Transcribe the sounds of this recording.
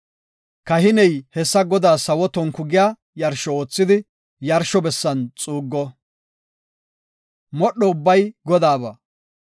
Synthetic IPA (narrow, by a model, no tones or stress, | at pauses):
kɐhɪnɛjhɛsːɐɡɔd̪aːsɐwɔt̪ɔŋkʊɡɪjaː | jɐɾʃɔoːt͡sːɪd̪ɪ | jɐɾʃɔbɛsːɐnt͡sʼuːɡːɔ | mɔɗɔʊbːɐjɡɔd̪aːβɐ